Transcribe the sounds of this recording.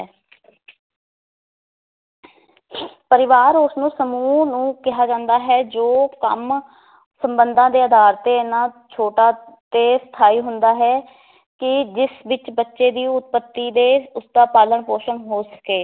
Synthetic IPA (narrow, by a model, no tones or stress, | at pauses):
pəɾɪʋaːɾʊsnũːsəmuːnũːkɪɦaːd͡ʒãːnd̪aːɦɛːd͡ʒoːkə̰m | səmbənd̪ãːd̪eːəd̪aːɾt̪eːɪnãː | t͡ʃʰoːʈaːt̪eːst̪ʰaːiːɦʊnd̪aːɦɛː | kɪd͡ʒɪsʋɪt͡ʃbətːʃeːd̪iːʊt̪̚pət̪ːiːd̪eːʊsd̪aːpaːləɳpoːʃənɦoːsə̥keː